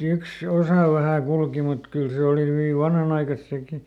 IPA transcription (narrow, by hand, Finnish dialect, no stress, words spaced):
yks osɑˑ ʋæhæˑ kulki mut kyl se oˑli hyʋi ʋɑnhɑnɑikɑs seki